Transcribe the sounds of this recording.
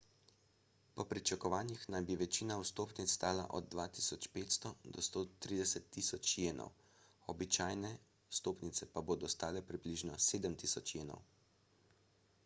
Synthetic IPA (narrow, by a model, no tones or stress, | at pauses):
pɔpɾit͡ʃakɔʋaːnjixnajbiʋɛt͡ʃiːnawst̪oːpnit̪st̪aːla̰ʔɔ̰d̪̚dːʋaːt̪isɔt͡ʃpeːt̪st̪ɔd̪ɔst̪oːt̪ɾiːd̪ɛsɛt̪ːiːsɔt͡ʃjeːnʔɔ̰w | ɔbit͡ʃaːjnɛ | ust̪oːpnit̪sɛpaboːd̪ɔst̪aːlɛpɾibliʒnɔseːd̪əmt̪isɔt͡ʃjeːnɔ̰w